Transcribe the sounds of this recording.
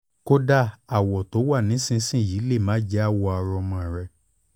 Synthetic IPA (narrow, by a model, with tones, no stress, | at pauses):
ko˦da˦a˨wɔ˨to˨˦wa˦˨nĩ˨˦sĩ˦sĩ˦˨ji˨˦le˦˨mãː˨˦d͡ʒɛ˦a˦˨wɔ˧a˧ɾɔ˧mɔ̃˧˨ɾɛ˧